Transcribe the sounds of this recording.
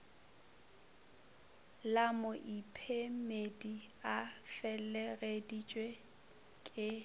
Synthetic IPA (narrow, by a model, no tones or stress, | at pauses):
lamʊʔipʰemedi | afɛlɛɣedit͡ʃʼwe | kʼɪ